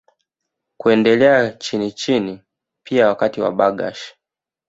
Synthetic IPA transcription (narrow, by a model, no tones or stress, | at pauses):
kuɛndɛlɛat͡ʃinit͡ʃini | pʰiawakatiwa̰ɓaɡa̰ʃi̥